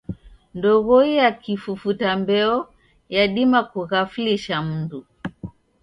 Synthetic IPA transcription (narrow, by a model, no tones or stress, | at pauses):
ndɔɣɔijakifufutambɛɔ | jaɗimakuɣafliʃam̩du